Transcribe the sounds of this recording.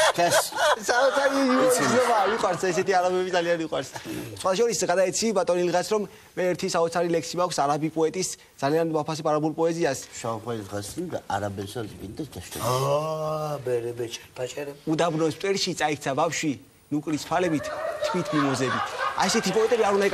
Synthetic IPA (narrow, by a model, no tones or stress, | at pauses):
ɛssaɔt̪sʰaɾiiɔɾiilɔbaːviqʼwaɾsaɛsɛt̪ʰiaɾabɛbid̪zalianiqʼwaɾssχwat̪aʃɔɾisɡad̪aɛt̪sʰibat̪ʼɔnilʁasɾɔmː | ɛːɾt̪ʰisaɔt̪sʰaɾilɛksimakʰsaɾabipʼɔɛt̪ʼisd̪z̥alianvapʰas̬ɛpʰʼaɾabulpʼɔɛziasʃaχwailʁasaaɾabɛsaɾsbind̪ɛsɡ̪aʃt̪ɔ̰ | bɛɾɛbɛt͡ʃʰt͡ʃʼud̪abɾnɔst̪ʼɛɾʃit̪sʼaikʰt̪sʰabafʃwi | nukʼɾist̪ʰalɛbit̪ʰt̪ʰːwit̪ʰmimɔzɛbit̪ʰa̰ɛsɛt̪ʰipʼɔɛt̪ʼɛbiaɾund̪aikʼ